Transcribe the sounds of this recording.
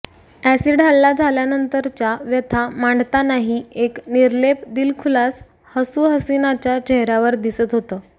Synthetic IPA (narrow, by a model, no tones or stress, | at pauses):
æsiɖ̤ʱaɭːad͡zʱaljanənt̪əɾt͡ɕjaʋjət̪ʰamaɳɖt̪anaɦiekniɾlepd̪ilkʰulas | həsuɦəsinat͡ɕjat͡ɕeɦɾaʋəɾd̪isət̪ɦot̪əː